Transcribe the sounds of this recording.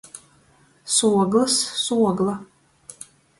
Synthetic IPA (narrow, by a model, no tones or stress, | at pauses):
suɔɡlɐssuɔɡla